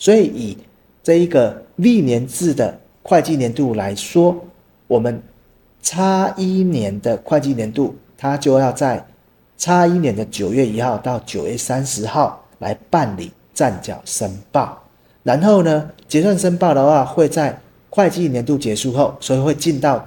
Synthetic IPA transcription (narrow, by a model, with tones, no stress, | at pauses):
swɔ˧˦˥i˨˩i˨˩ | t͡sɤ˥˩˧i˦ɡə˨li˥˨njɛ˨˦nt͡sɹ̩˥˩d̪ə̰˩ | kʰwa˥˧ɪt͡ɕi˥˨njɛ˧˦nt̪u˥˩la˧˦ɪswɔ˦ | wɔ˨˩mə˦n | t͡sʰa˥i˦njɛ˨˦nd̪ə˨kʰwa˥˧ɪt͡ɕi˥˩njɛ˧˦nt̪u˥˩t̪ʰa˦t͡ɕjo˥˧ʊjɑ˥˧ʊt͡sa˥˩ɪ | t͡sʰa˦i˦njɛ˧˦nd̪ə˨t͡ɕjo˨˩ɥɛ˥˩i˧˥xɑ˥˧ʊt̪ɑ˥˩ʊt͡ɕjo˨˩ʊɥɛ˥˩sa˦nʂɻ̩˧˦xɑ˥˨ʊ | la̰˧˦ɪpa˥˨nlḭ˨˩˦ | t͡sa˥˨nt͡ɕjɑ̰˨˩ʊʂə˦˥npɑ˥˩ʊ | ɻa˧˦nxo˥˩ʊnə˧t͡ɕjɛ˧˥swa˥˩nʂə˥npɑ˥˩ʊd̪ə˨xwa˥˨˩xwe˥˧ɪt͡sa˥˧ɪ | kʰwa˥˧ɪt͡ɕi˥˧˨njɛ˧˦nt̪̬u˥˩t͡ɕjɛ˧˦ʂu˥˧xo˥˨ʊswɔ˧˦˥i˨˩we˥˧ɪt͡ɕi˥˧nt̪ɑ˥˨ʊ